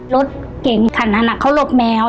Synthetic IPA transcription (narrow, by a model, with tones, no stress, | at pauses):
lo˦˥t̪̚ | ke˨˩˦ŋkʰa˨˩˦nːa˧na˧˩kʰːa˦˥˩wlo˧˩p̚mɛː˧